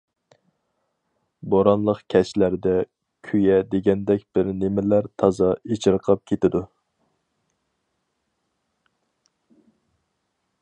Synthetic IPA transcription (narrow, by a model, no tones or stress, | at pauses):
boɾɑnlˠəqkʲʰɛʃlæɾd̪ɛ | kʲʰyjɛd̪eɡʲɛnd̪ɛk̚ʲb̥ɪɾnemɪlæɾt̪ʰɑzɑet͡ʃʰɨɾqʰɑp̚kʲʰet̪ɪd̪u